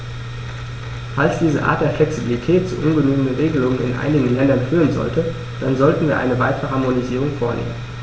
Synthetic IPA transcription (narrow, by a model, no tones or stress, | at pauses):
falsd̥iːzəʔa̰ːɐt̚d̥eːɐflɛksibilitʰɛːtz̥ṵːʔʊnɡənyːɡənəʁeːɡəlʊŋənɪ̰nʔa̰ɪnɪɡŋ̩lɛndɐnfyːʁ̞ənzɔ̰ltə | d̥anzɔltn̩viːɐʔa̰ɪnəvaɪtəʁəɦaɐmoniziːʁ̞ʊŋfoːɐnʔḛːmən